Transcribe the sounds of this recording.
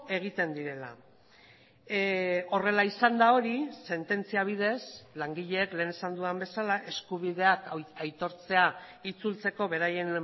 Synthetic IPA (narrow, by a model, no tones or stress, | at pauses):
e̞ɣ̞it̪e̞nd̪iɾe̞la̰ | o̞re̞laisand̪ao̞ɾise̞nt̪e̞nt͡siaβ̞ið̞e̞slaŋɡiʎe̞ːkle̞ːne̞sand̪uambe̞salaʔe̞skuβ̞iðe̞akajt̪o̞ɾt͡se̞ait͡sult͡se̞ko̞βe̞ɾaje̞n